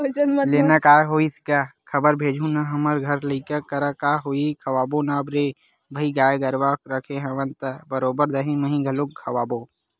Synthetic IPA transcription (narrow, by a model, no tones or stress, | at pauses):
leːnakaːjɦoːiskakʰɐbəɾbʱeːd͡ʒʱunaɦɐməɾɡʱɐɾləikəkəɾakaːɦoːikʰɐwaːbonaːbɾeː | bʱɐiɡaːjeɡəɾʋakɾəkʰeɦəʋənt̪əbəɾoːbəɾd̪ɐɦĩmɐɦĩɡʱɐlokkʰɐwaːboː